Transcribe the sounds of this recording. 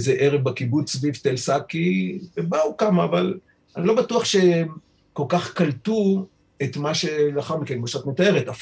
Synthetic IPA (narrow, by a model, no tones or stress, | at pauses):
zeʔeʁevbakibut͡ssvivt̪elsakːivebaukamaːval | anilo̞batuaχʃem | ko̞lkaχkaltu | et̪maʃe̞laχaʁmikenmoʃʁat̪metae̞ʁet̪af